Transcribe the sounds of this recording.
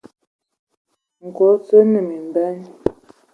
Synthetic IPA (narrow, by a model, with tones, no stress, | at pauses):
ŋ̩˨ko˨˦t͡sə˦nə˨mi˨m˨bɛ˦n